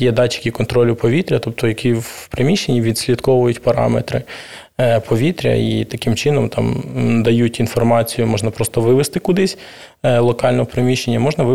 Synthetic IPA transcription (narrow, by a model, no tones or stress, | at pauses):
jɛd̪ɑt͡ʃɪ̥kʲikɔnt̪ɾɔlʲʊpɔʋʲit̪ɾʲɐt̪ɔp̚t̪ɔjɐkʲiwpɾemʲiʃt͡ʃenʲːiʋʲid̪ʲsʲlʲɐd̪kɔʋʊjʊtʲpɐɾɑ̰mḛt̪ɾɪ̰ | pʰɔʋʲit̪ɾʲɐ̰it̪ɐkɪmt͡ʃɪnɔmt̪ɑ̰md̪ɐjutʲin̪fɔrmɑt͡sʲijʊmɔʒnɐpɾɔst̪ɔʋɪʋest̪ɪkʊd̪ɪsʲ | lˠɔkɑlʲnɔɦɔpɾɪmʲiʃenʲːɐmɔʒnɐʋɪ